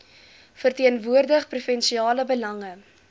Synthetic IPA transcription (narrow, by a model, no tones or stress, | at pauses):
fərtiənvuərdəχprufɛnsiɑːləbəlɐŋə